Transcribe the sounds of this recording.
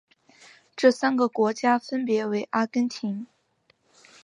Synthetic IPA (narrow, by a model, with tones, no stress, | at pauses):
ʈ͡ʂɤ˥˩sa˥nɡə˨kwɔ˧˥t͡ɕja˥fə˥npjɛ˧˥we˧˥ɪʔa˥kə˥nt̪ʰi˧˥ŋ